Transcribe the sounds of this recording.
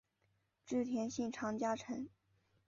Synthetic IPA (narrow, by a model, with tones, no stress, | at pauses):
ʈ͡ʂɻ̩˥˩t̪ʰjɛ˧˥nɕi˥˩nʈ͡ʂʰɑ˧˥ŋt͡ɕja˥ʈ͡ʂʰə˧˥ŋ